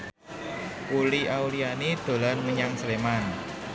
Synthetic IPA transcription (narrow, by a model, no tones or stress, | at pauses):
puliaulianid̪̥o̤lanməɲaŋsleman